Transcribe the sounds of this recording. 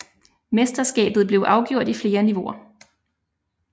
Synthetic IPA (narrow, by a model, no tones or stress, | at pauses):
mesd̥ɐsɡ̥ɛ̰ːb̥ð̞̩ˠb̥le̝ʊʔɑ̈ʊɡ̥jo̝ɐ̰d̥ifle̝ːɐniʋo̝ɐ